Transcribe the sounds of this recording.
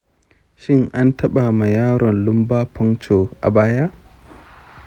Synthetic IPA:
ʃɪ˦ŋʔa˦ntʰɐ˦ɓa˨ma˨jaː˦ɽɔ˨nlʊ˦mbaː˦pʰɔ˦ŋt͡ʃo˨ʔa̰˨baː˦ja˦ʔ

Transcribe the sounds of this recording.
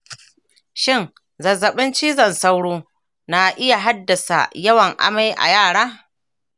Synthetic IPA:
ʃɪ˦ŋ | zɐ˨zːɐ˨ɓɪ˦nt͡ʃiː˦zɐ˨nsa˦wɽoː˦ | na˨ʔɪ˦ja˨ɦa˦dːɐ˨sa̰˨jɐ˦wɐ˨ŋʔa̰˦ma˦jʔa̰˨jaː˦˨ɽaː˦

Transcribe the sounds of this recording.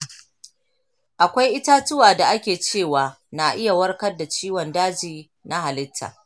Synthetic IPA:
ʔa˨kʷa˦jʔɪ˦ta˦tʊ˦waː˨da˨ʔa˦kʲeː˨t͡ʃeː˦˨waː˨ | na˨ʔɪ˦ja˨wɐ˦rkɐ˦rda˨t͡ʃiː˦wɔ˨ndaː˦d͡ʒiː˨ | na˦ɦa˨lɪ˦tʰːa̰ː˨

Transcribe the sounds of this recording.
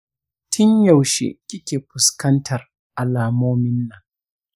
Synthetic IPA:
tʰɪ˦ɲjɐ˨wʃḛ˨kʲʼɪ˦kʲeː˨ɸʊ˨skɐ˦ntʰɐ˨r | ʔa˨laː˨moː˦mɪ˦nːa˨ŋ

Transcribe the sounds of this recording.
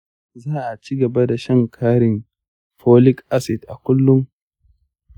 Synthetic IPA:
zaː˦˨ʔa˨t͡ʃi˦ɡɐ˨ba˦da˨ʃɐ˦ŋkʰaː˦ɾɪ˨n | ɸoː˦lɪ˦kʔa˦sɪ˨dʔa˨kʷʊ˦lːʊ˦ŋ

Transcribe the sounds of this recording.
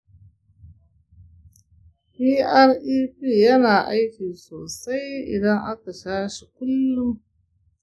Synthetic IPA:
pi˦ʔa˦ɾʔiː˦piː˦˨jɐ˦naː˨ʔa˦jkʲi˨soː˨sa˦jɪ̰˨dɐ˦ŋʔa˦ka˨ʃaː˦ʃi˨kʊ˦lːʊ˦m

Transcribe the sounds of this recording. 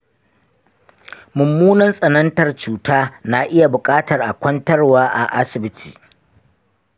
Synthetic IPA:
mʊ˨mːuː˦nɐ˦nsʼɐ˨nɐ˦ntɐ˨rt͡ʃuː˨taː˦na˨ʔɪ˦ja˨bʊ˨kʼaː˦tɐ˨rʔa˨kʷɐ˦ntɐ˦rwaː˦ʔa̰˨ʔa˦sɪ˨bɪ˦tʰḭː˨

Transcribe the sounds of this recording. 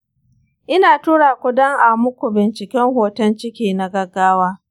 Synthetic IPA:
ʔɪ˦naː˨tuː˦ɽaː˨kʷʊ˦dɐ˦ŋʔa˨mʊ˦kʷu˨bɪ˨nt͡ʃɪ˨kʲɛ˦ŋhoː˨tɐ˦nt͡ʃɪ˦kʲiː˦na˨ɡɐ˦ɡːaː˦waː˦

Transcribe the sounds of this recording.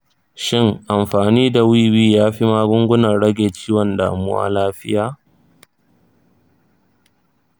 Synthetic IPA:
ʃɪ˦ŋʔa˨mɸaː˨niː˦da˨wiː˦wiː˦jaː˦ɸi˦maː˦ɡʷʊ˦ŋɡʷʊ˦nɐ˨rɽɐ˦ɡʲeː˨t͡ʃiː˦wɔ˨nda̰ː˨mʊ̰˦wa̰˦laː˦ɸɪ˦jaː˨

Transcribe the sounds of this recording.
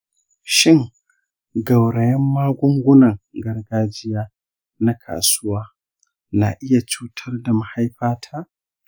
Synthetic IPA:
ʃɪ˦ŋ | ɡɐ˨wɽɐ˨jɛ˦mːaː˦ɡʷʊ˦ŋɡʷʊ˦nɐ˨ŋɡɐ˦rɡaː˦d͡ʒɪ˦jaː˦ | na˦kʰa̰ː˨sʊ˦waː˦ | na̰ː˨ʔɪ˦ja˨t͡ʃuː˦tʰɐ˦rda˨ma˨ha˦jɸaː˦tʰaː˦

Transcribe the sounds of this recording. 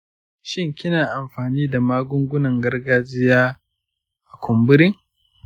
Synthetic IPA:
ʃɪ˦ŋkʲɪ˦naː˨ʔa˨mɸaː˨niː˦da˨maː˦ɡʷʊ˦ŋɡʷʊ˦nɐ˨ŋɡɐ˦rɡaː˦d͡ʒɪ˦jaː˦ | ʔa˨kʷʊ˨mbʊ˦ɾɪ˦ŋ

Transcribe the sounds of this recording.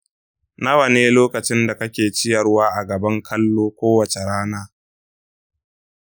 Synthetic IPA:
nɐ˦wɐ˨neː˦loː˦kɐ˨t͡ʃɪ˦nda˨kɐ˦kʲeː˨t͡ʃɪ˦jɐ˨rwaː˦ʔa˨ɡɐ˨bɐ˦ŋkʰɐ˦lːoː˦kʷoː˦wɐ˨t͡ʃe˨ɽaː˦naː˦

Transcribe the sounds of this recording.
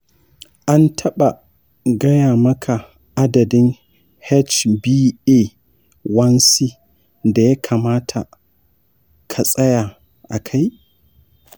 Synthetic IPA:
ʔa˦ntʰɐ˦ɓa˨ | ɡɐ˦jaː˨mɐ˦kʰa˨ | ʔa˦dɐ˨dɪ˦ŋ | hɛ˦t͡ʃbiː˦eː˦˨ | wɐ˦nsi˦ | da˨ja˦kʰaː˨maː˦tʰa˨ | kʰa˨sʼɐ˦jaː˨ | ʔa˨kʰa˦j

